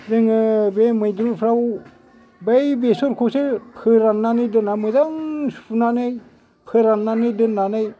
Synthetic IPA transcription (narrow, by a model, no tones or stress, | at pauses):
dɯŋɯbemɯjdɾupʰɾaw | bajbesuɾkʰusɯpʰɯɾanːanɯjdɯnamɯzaŋsunanɯj | pʰɯɾanːanɯjdɯnːanɯj